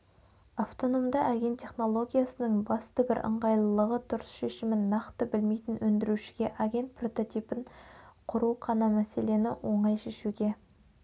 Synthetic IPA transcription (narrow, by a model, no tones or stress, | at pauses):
aft̪o̞no̞md̪ɑʔaɡʲe̞nt̪ʲʰːe̞χno̞lˠo̞ɡʲijasənəɴbɑst̪əbɪɾʔə̰ɴʁɑjlˠəlˠəʁət̪ʰʊɾʊsʃe̞ʃɪmɪnːɑqt̪əbɪlme̞jt̪ɪnwɵnd̪ɪɾuʃɪ̥ɡʲe̞ʔaɡʲe̞nt̪̚pro̞t̪o̞t̪ijpəɴqʰʊɾuqʰɑnɑmæse̞le̞nɪwʔo̞ɴɑjʃe̞ʃuɡʲe̞